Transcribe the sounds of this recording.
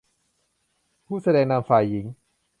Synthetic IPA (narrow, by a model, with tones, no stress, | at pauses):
pʰuː˥˩sa˧dɛː˧ŋna˧mfaː˧jːi˩˦ŋ